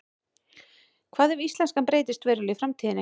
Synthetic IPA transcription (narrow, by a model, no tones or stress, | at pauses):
kʰv̥aːðɛvist̪lɛnskampɾeːjt̪ɪst̪veːɾʏlɪfɾamt̪ʰiːðɪnɪ